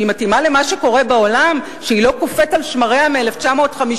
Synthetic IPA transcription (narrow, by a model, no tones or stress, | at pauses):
imatimale̞maʃeko̞ʁebao̞lam | ʃeilo̞kufe̞talʃmaʁeameeleft͡ʃamo̞ːtχami